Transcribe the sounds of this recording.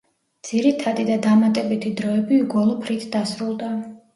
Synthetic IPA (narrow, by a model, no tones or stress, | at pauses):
d̪z̥iɾit̪ʰad̪id̪ad̪amat̪ʼɛbit̪ʰid̪ɾɔɛbiɡɔlˠɔpʰɾit̪ʰd̪asɾulˠd̪a